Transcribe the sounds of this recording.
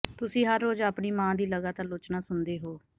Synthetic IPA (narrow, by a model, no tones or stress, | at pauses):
t̪ʊsĩːɦəɾːoːd͡ʒaːpɳiːmãːd̪iːləɡaːt̪aːɾlʊːt͡ʃnaːsʊnd̪eːɦoː